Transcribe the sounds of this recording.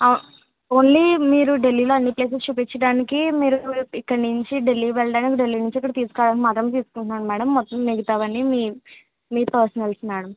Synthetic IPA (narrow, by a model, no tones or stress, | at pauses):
oːnlimiːɾuɖe̞lːiːloːɐnːipleːs̬ɐst͡ʃuːpit͡ʃːɐɽaːnikimiːɾuikːɐɽniɲt͡ʃiɖelːiːʋɛɭɐɽaːnik̬iɖelːiːnuɲt͡ʃikːɐɽɐt̪iːsu̥kaːɽaːnkimaːt̪ɾɐmt̪iːsu̥kuɳʈunaːnumæːɽɐmːɔt̪ːɐmːiɡɐt̪aːʋɐnimiː | miːpɐɾsɐnɐlsmaːɽɐm